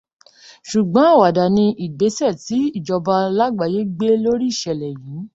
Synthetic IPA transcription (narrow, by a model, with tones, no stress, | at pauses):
ʃu˨ɡ͡bɔ̃˨˦a˦˨wa˨da˨nĩ˧ʔi˨ɡ͡be˨˦sɛ˦˨ti˨˦i˦˨d͡ʒɔ˧ba˧la˦ɡ͡ba˧˨je˦ɡ͡be˦lo˦ɾi˦i˦˨ʃɛ˨lɛ˨jĩ˨˦